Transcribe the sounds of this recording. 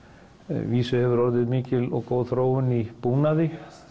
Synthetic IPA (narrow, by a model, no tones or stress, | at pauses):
viːsʏhɛvʏɾɔɾðɪðmiːcɪlɔ̰ɣkowðθɾoːwʏnipuːnaðɪ